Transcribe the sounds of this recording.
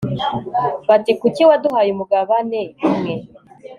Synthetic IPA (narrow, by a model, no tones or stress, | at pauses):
βatikuciwaduɦajumuɡaβaneimŋe